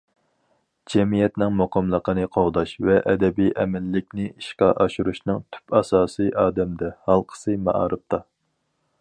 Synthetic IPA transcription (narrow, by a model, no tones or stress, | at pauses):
d͡ʒɛmijɛt̪nɪŋmuqʰɑmlˠəqənɨqʰɑwd̪ɑʃvɛʔɛd̪ɛbiʔɛmɪlːɪkʲnɪiʃqɑʔɑʃuɾuʃnɨŋt̪ʰy̥pɑsɑːsɨʔɑːd̪ɛmd̪ɛhɑlˠqʰə̥sɨmɑ̰ʔɑ̰ːɾɨp̚t̪ʰɑ